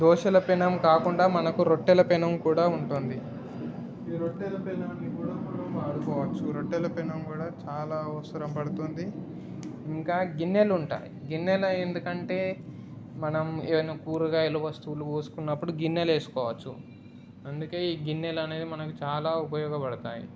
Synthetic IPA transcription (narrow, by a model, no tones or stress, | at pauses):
d̪ʱɔːʃɐlɐpinɐmkaːkuɳɖaːmɐnɐkuɾo̞ʈːɛlɐpɛnɐmkuːɽaːuɳʈoːnd̪i | iːɾoʈːɛlɐpinaːnːikuːɽaːmuʈɐmaːɽukɔːʋɐt͡ʃːuɾoʈːɛlɐpɛnɐmkuːɽaːt͡ʃaːlaːɐʋɐsɐɾɐmpɐɽut̪oːnd̪i | iŋkaːɡinːeluɳʈa̰ːjḭɡinːelɐend̪ukɐɳʈe̞ː | mɐnɐmeʋɐnːikuːɾuɡaːeluʋɐst̪uluoːsu̥kunːɐpːuɽuɡinːele̞ːsu̥kɔːʋɐt͡ʃːṵ | ɐnd̪uke̞ːiːɡinːelɐne̞ːd̪imɐnɐkut͡ʃaːlaːupɐjɔːɡɐpɐɽɐt̪aːjḭ